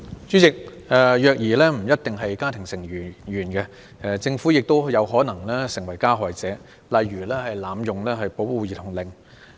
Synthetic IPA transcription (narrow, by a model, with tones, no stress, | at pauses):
t͡syː˨˥t͡sɪ˨k̚ | ɛː˨˧jœː˨˧k̚jiː˨˩lɛː˥m̩˨˩jɐ˥t̚t̪ɪ˨ŋɦɐ˨jkaː˥t̪ʰɪ˨˩ŋsɪ˨˩ŋː˨˩jyː˨˩nkɛ˧ | ɛ˧t͡sɪ˧ŋfuː˨˥jɪ˨k̚t̪o˥wjɐ˨˧wɦɔː˨˥nɐ˨˩ŋlɛː˥sɪ˨˩ŋwɐ˨˩jkaː˥ɦɔː˨jt͡sɛː˨˥ | lɐ˨˧jɥyː˨˩lɛː˥hɐ˨jlaː˨mjʊ˨ŋlɛː˥ɦɐ˨jpo˨˥wwuː˨˧jiː˨t̪ʰʊ˨˩ŋlɪ˨ŋ